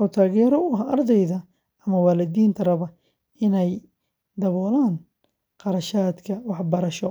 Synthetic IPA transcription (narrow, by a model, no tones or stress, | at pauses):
ʔɔːt̪ʰaːɣɛːɾɔʊɦɐʔɐrd̪ɛjðɐ | ɐmɐwaːlɐd̪iːnt̪ʰɐɾɐβɐ | ɪnɛj | d̪ɐβɔːlaːn | qɑɾɐʃaːd̪kʰɐwɑħbɐɾɐʃɔ